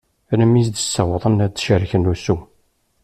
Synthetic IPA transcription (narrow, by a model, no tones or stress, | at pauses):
ɾəmis̬d̪əsːəwðˤənæd̪ʃəɾçənusu